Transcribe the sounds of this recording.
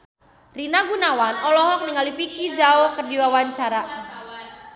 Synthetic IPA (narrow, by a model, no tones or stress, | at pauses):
rinaɡunawanɔlɔɦɔk̚niŋalipikid͡ʒaokərdiwawaɲt͡ʃaɾa